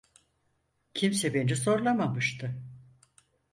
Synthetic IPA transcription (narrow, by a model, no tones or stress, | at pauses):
cʰimsɛbenɛso̞ɾlˠamamɯʃt̪ʰɯ